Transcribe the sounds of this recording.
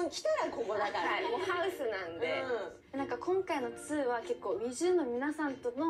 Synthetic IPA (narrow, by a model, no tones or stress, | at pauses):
õkʲi̥t̪aɾakokonak̪aamohaɯ̟sɨnãnd̪e | nãŋkakʰõ̞ŋkaino̞t͡sɨːβake̞kːo̞ːbʲiʑɨːnːo̞mʲinasãnt̪o̞no̞